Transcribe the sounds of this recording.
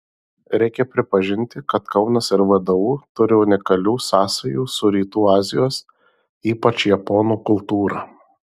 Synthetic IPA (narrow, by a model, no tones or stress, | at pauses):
ɾʲɛɪkʲɛpʲɾʲɪpɐʒʲɪnʲt̪ʲɪkɐt̪kɐʊnɐsɪɾʋɐd̪ɐʋuːt̪ʊɾʲɪʊnʲɪkɐlʲuːsɑːsɐjuːsʊɾʲiːt̪uːɑːzʲɪjoːs | iːpɐt͡ʃjɛpɔːnuːkʊlˠt̪uːɾɑː